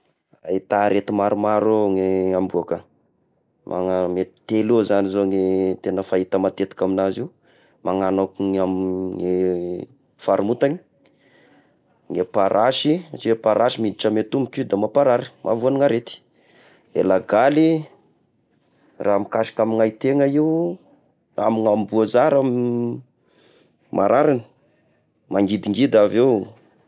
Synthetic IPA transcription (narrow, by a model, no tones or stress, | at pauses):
a̰it̪aɾet̪imaɾumaɾoŋeambuakə | mʔa̰ŋamet̪t̪elozanizoŋet̪enəfait̪əmat̪et̪i̥kaminaziu | maŋanokuŋamŋe | faɾumut̪aŋi̥ | ŋepaɾʔaʃit͡ʃipaɾʔaʃimid̪iʈ͡ʂəmet̪umikid̪amapaɾaɾimʔa̰vuaniŋaɾet̪i̥ | ḛlaɡali | rʔaːmikaʃi̥kamiŋajt̪eŋaiu | a̰miŋambuazaɾam | mʔa̰ɾaɾani̥ | maŋɡid̪iŋɡid̪avew